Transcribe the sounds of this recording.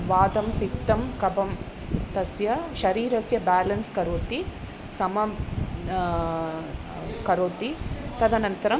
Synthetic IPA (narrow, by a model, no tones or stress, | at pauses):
ʋaːd̪ɐmpikt̪ːɐmkɐbɐm | t̪ɐsjɐʃɐɾiːɾɐsjɐbaːlɐnskɐɾoːt̪i | sɐmɐ | kɐɾoːt̪it̪ɐd̪ɐnɐnt̪ɐɾɐ